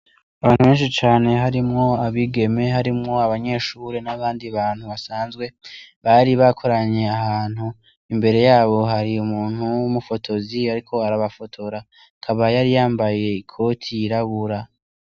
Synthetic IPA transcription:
aβaːn̥huβe̞ːnʃit͡ʃaːne̞ɦaɾimŋo̞aβiɡe̞me̞ɦaɾimŋo̞aβaɲe̞ʃuɾenaβaːndiβaːn̥huβasaːnzɡwe̞βaɾiβakʰo̞ɾaɲe̞ahaːn̥hu | imbe̞ɾe̞jaːβo̞ɦaɾiumuːn̥huumufo̞tʰo̞ziaɾikʰo̞aɾaβafo̞tʰo̞ɾa | kʰaβajaɾijaːmbaje̞ikʰo̞tʰiːɾaɡuɾa

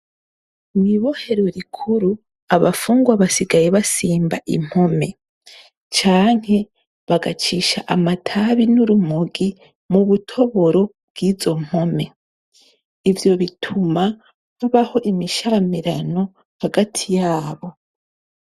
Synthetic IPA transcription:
miβo̞he̞ɾuɾikʰuɾu | aβafuːŋɡwaβasiɡajeβasiːmbaʔḭm̥ho̞me̞ | t͡ʃaːŋ̥he̞ | βaɡat͡ʃiʃaʔamatʰaβinuɾumuɡi | muβutʰo̞βo̞ɾo̞bɡiːzo̞m̥ho̞me̞ | ivjo̞βitʰuma | huβaho̞ʔimiʃamiɾano̞ | haɡatʰijaːβo̞

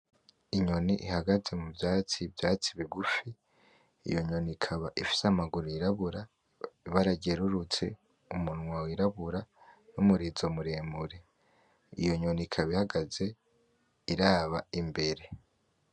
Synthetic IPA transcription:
iɲo̞niʔihaɡaze̞mubjaːt͡sibjaːt͡siβiɡufi | ḭjo̞ɲo̞nikʰaβaʔifi̥samaɡuɾoiɾaβuɾa | βaɾaɟe̞ɾuɾut͡se̞̰ | umunŋwawiɾaβuɾanumuɾizo̞muɾeːmbuɾe | ḭjo̞ɲo̞nikʰaβihaɡaze̞ | iɾaːβaimbe̞ɾe̞

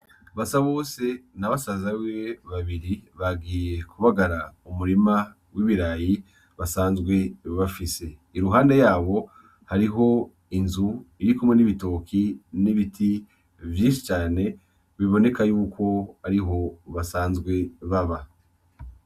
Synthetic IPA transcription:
βasaβo̞ːse̞naβasazaweβaβiɾiβaɡiːje̞kʰuβaɡaɾaumuɾima | wiβiɾaːji | βasaːnzɡwe̞βafise̞iɾuɦaːnde̞jaːβo̞ | haɾiɦo̞ | inzuiɾikumŋe̞niβito̞ːkʰiniβitʰi | vjiːnʃi̥t͡ʃaːne̞ | βiβo̞ne̞kajuːkʰo̞aɾiɦo̞βasaːnzɡwe̞βaβa

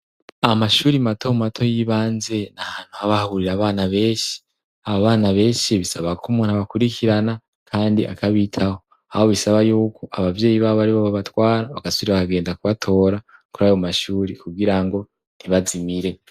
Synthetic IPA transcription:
amaʃuːɾimatʰo̞matʰo̞jiβaːnze̞nahaːn̥huhaβahuɾiɾaːβaːnaβe̞ːʃi̥ | aβoβaːnaβe̞ːnʃiβisaβakʰumun̥haβakuɾikʰiɾana | kʰaːndiʔa̰kʰaβitʰaho̞ | aho̞βisaβajuːkʰo̞ʔaβavje̞ːjiβaββaɾiβoβaβatwaːɾaβakasuɾiβakaɡe̞ːndakuβatʰo̞ɾa | kuɾaːjomaʃuːɾikuɡiɾaŋɡo̞ | n̥iβazimiɾe̞

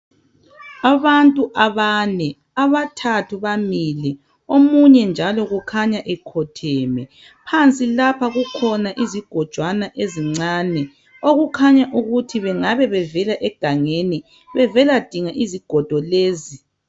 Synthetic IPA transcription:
aβantʼuʔaβanɛ | aβatʰatʰuβamilɛ | omuɲɛnd͡ʒʱalɔɣukʰaɲaʔɛkʰɔtʰɛːmɛ | pʰant͡sʼilapʰaɣukʰɔnaʔiziɡ̥ʱɔd̥ʒ̥ʱwanaʔeziŋ͡ǀaːnɛ | oɣukʰaɲaʔuɣutʰiβɛŋaβɛβɛvɛlaʔɛɡ̥ʱaŋeni | βɛvɛlad̥ʱiŋaʔiziɡ̥ʱɔd̥ʱɔleːzi

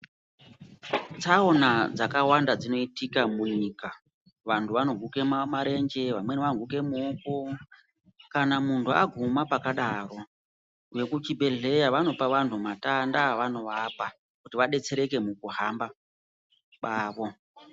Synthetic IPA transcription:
t͡sao̞nad͡zakawandad͡zino̞itikamuɲika | ʋantʰuʋano̞ɡʱuke̞mamaɾe̞ɲd͡ʒe̞ʋamwe̞neʋanoɡʱuke̞muːko | kanamuntʰuaɡʱumapakaɗaro̞ | je̞kut͡ʃibʱe̞ɮe̞jaʋano̞paʋantʰumatandaʋano̞ʋapa | kutiʋaɗe̞t͡se̞ɾe̞ke̞mukuɦamba | ɓaːʋo̞

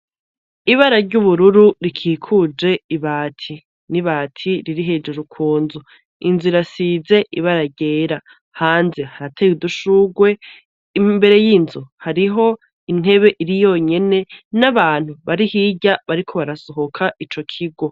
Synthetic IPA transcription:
iβaɾaɾɟuβuɾuɾuɾikʰiːkʰud͡ʒe̞iβaːtʰi | niβaːtʰiɾiɾiɦe̞d͡ʒuɾukʰuːnzu | inziɾasize̞ʔiβaɾaɟeːɾa | haːnze̞haɾatʰejuduʃuɡwe̞ | imbe̞ɾe̞jiːnzuhaɾiɦo̞ | in̥e̞βe̞ʔiɾijo̞ɲe̞ne̞naβaːn̥huβaɾihiːɟaβaɾikʰo̞βaɾaso̞ɦo̞kʰait͡ʃo̞kʰiɡo̞

